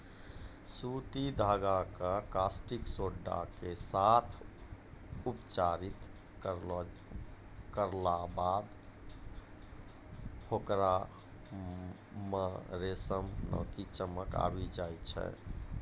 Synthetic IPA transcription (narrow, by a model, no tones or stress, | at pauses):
sut̪id̪ʱaɡakəkasʈiksoɖːa̰kesat̪ʰ | upt͡ʃaɾit̪ | kəɾlabad̪ | hokɾa | məɾesəmnɔ̰kit͡ʃəməka̰bid͡ʒajt͡ʃʰɛ̰